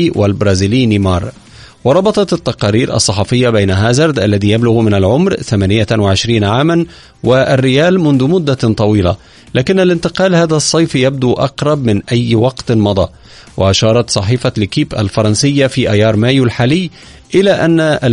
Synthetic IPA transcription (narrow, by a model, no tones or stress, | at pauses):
walbɾˤɑːziːliːnimɑːɾˤ | wɑɾˤɑbɑt̪ˤɑt̪t̪ːɑqɑːɾiːɾʔɑ̰sˤːɑħɑfɪjːabajnaɦaːzɑɾˤd̪ʔalːaðiːjablʊɣmɪnalʕʊmɾθamaːnɪjawaʕɪʃɾiːnaʕaːman | wɪʔarːɪjaːlmʊnðʊmʊd̪ːat̪ˤɑwiːla̰ | laːkɪnːalɪnt̪ɪqɑːlhaːðasˤːɑjfjab̚d̪uːʔɑ̰qɾˤɑbmɪnʔajːwɑqt̪mɑd̪ˤɑ̰ː | waʔaʃɑːɾˤɑt̪sˤɑħiːfalɪkiːbʔa̰lfɑɾˤɑnsɪjːafiːʔajɑːɾˤmaːjulħaːlɪjː | ʔɪlaːʔanːaʔa